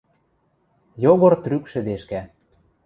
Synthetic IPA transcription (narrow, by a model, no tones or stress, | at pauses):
joɣɤ̆rt̪rykʃɘ̆d̪eʃkæ